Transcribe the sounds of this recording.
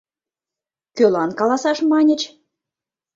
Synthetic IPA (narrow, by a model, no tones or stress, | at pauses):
kølɑnkɑlɑsɑʃmɑnʲə̆t͡ɕ